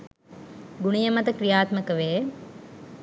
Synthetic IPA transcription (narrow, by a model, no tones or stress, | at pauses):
ɡuɳijəmɐt̪əkɾijaːt̪məkəʋeː